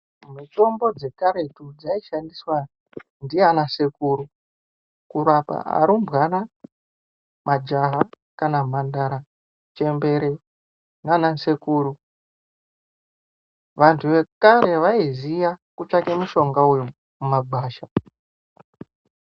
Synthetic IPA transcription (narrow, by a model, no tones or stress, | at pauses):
mito̞mbo̞d͡ze̞kaɾe̞tud͡zaiʃandiswa | ndijeanasekuːɾu | kuɾapa̰a̰ɾumbɣana | mad͡ʒaɦa | kanamandaɾa | t͡ʃe̞mbe̞ɾe | nanasekuːɾu | ʋantʰuʋe̞kaɾe̞ʋaizijakut͡ʃakemuʃo̞ŋɡauju | mumaɡ͡baːʃa